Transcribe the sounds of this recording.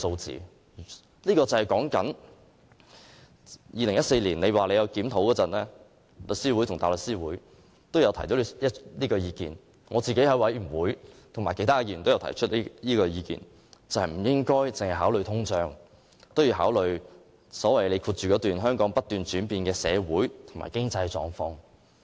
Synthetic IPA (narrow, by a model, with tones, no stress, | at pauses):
so˧wt͡sḭː˨ | liː˥kɔː˧t͡sɐ˨˩hɐ˨jkɔː˨˥ŋkɐ˨˥n | jiː˨˧lɪ˨˩ŋjɐ˥t̚se˧jliː˨˩nle˨˧jwaː˨le˨˧jɐ˨˧wkiː˨˥mt̪ʰo˨˥wkɔː˧t͡sɐ˨˩nlɛː˥ | lɵ˨k̚siː˥wu˨˥jt̪ʰʊ˨˩ŋt̪aː˨˩lɵ˨ksiː˥wuː˨˥j | t̪o˥wjɐ˨˧wt̪ʰɐ˨˩jt̪o˨˥wɐ˥liː˥kɔː˧jiː˧kḭː˨n | ŋɔː˨˧t͡siː˨ke˨˥jɦɐ˨˥wɐ˨˥jy˨˩wuː˨˥jt̪ʰʊ˨˩ŋmaː˨˩ke˧˥jt̪ʰaː˥˧ji˨˩˨t̪o˥wjwtʰɐ̰˨˩jt͡ʃʰɵ˥t̚ːliː˥kɔː˧jiː˨˧kḭː˨˩n | t͡sɐ˨˧whɐ˨jm̩˨˩jɪ˥ŋkɔː˥jt͡sɪ˨ŋhɐ˨jɦaː˨˥wlɵ˨˧ɥt̪ʰʊ˥ŋt͡ʃœː˧ŋ | t̪o˥wji˨˧wɦaː˨˥wlɵ˨ɥ | sɔː˨˥wɐ˨jle˨˧jkʰuː˧t̚t͡ʃyː˨kɔː˨˥t̪yː˨nɦœː˥ŋkɔː˨˥ŋpɐ˥t̚t̪yː˨nt͡ʃyː˨˥npiː˨˧nkɛː˧sɛ̰ː˨˧wuː˨˥jt̪ʰʊ˨˩ŋma̰ː˨˩jkɪ˥ŋt͡sɐ˧jt͡ʃɔ̰ː˨ŋfɔː˧ŋ